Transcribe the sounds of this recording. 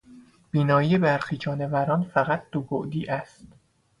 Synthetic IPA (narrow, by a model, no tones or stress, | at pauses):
b̥iːnɒːiːjebæɾxiːd͡ʒɒːne̞væɾɒːnfæɣæt̪̚ʰd̪̥oboʔd̪iːʔæst̪